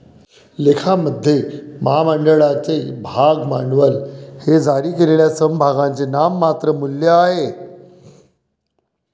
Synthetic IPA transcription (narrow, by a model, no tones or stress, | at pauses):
lekʰaməd̪ʱːjemaaməɳɖəɭat͡sebʱaɡmaɳʋəlhed͡zaɾiːkeleljasəmbʱaɡãnt͡senamːat̪ɾəmuljəaɦe